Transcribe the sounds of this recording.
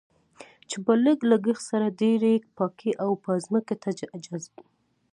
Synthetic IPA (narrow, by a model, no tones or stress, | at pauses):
t͡ʃebələɡlaɡəxsaɾad̪eɾek̚pɑkʰiʔawpɑzməket̪ad͡ʒazb